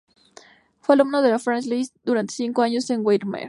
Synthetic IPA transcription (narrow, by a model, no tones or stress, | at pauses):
fwealumnoðelafɾanslist̪d̪uɾant̪esiŋko̞aɲo̞se̞ŋwejɾmḛɾ